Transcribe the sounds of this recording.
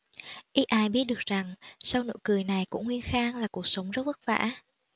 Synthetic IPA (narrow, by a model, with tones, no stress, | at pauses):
ʔi˦˥ʔaː˧jɓi˦˥ət̚ɗɨ˨˩ə˩k̚za˨˩ŋsa˧wno̰˧˥jkɨ˨˩əjna˨˩jkʊ̰˧˥ŋ͡mŋwi˧ənxaː˧ŋlaː˨˩ku˨˩ək̚sə˨˦wŋ͡mzə˦˥t̚və˦˥t̚va̰ː˧˥